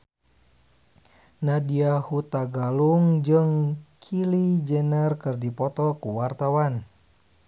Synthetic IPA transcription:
nadiahut̪aɡaluŋd͡ʒɨŋkʰilid͡ʒɛnɛrkɨrdipɔt̪ɔkuwart̪awan

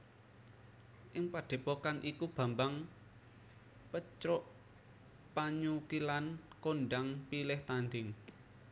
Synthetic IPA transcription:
ʔɪŋpaɖ̥e̤pokanʔikub̥a̤mbaŋ | pət͡ʃɾɔʔ | paɲukilankonɖaŋpilɪht̪and̪ɪŋ

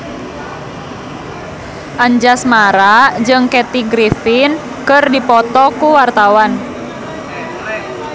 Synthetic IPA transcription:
ʔaɲd͡ʒasmaɾad͡ʒɨŋkɛt̪iɡɾifɪn | kərdipɔt̪ɔkuwart̪awan

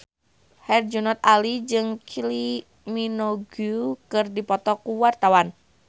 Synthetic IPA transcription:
hɛrd͡ʒunɔt̪̚alid͡ʒɨŋkʰili | minoɡukɨrdipɔt̪ɔkuwart̪awan

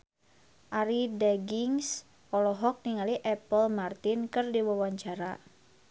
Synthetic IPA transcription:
ʔaɾidɛɡiŋs | ɔlɔɦɔk̚niŋaliʔɛpəlmart̪inkɨrdiwawaɲt͡ʃaɾa

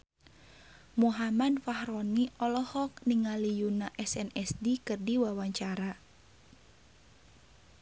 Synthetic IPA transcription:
muɦamadfahɾɔniʔɔlɔhɔk̚niŋalijunaʔɛsɛnɛsdikərdiwawaɲt͡ʃaɾa

